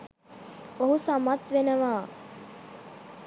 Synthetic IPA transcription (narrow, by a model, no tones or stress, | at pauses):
oɦusamat̪ʋenəʋaː